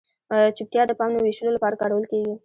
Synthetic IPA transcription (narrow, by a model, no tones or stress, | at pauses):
t͡ʃʊk̚t̪jɑd̪əpɑmneweʃəlolapɑɾakɑɾawəlkeɡi